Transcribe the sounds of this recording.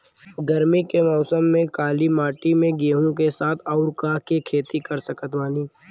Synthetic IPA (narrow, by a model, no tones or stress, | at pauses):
ɡəɾmikemɔːsəmːẽkaːlimaːʈimẽɡeːɦũkesaːt̪ʰɔːɾkaːɦkekʰeːt̪ikəɾsəkət̪ʋaːniː